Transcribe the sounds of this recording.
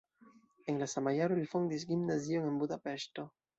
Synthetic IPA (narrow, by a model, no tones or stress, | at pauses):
eŋlasamajaɾuilfɔŋd̪isɡimnazioŋembud̪apɛʃt̪o